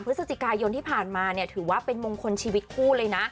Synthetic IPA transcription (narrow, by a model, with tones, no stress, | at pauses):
mpʰɾɯ˦˥sa˧t͡ɕʰi˨˩kaː˧jo˧nt̪ʰiː˥˩pʰaː˨˩nmaː˧ni˥˩t̪ʰɯː˩˦waː˥˩pe˧nmo˧ŋkʰo˧nt͡ɕʰiː˧wi˦˥t̪̚kʰuː˥˩lɤː˧jna˦˥ʔ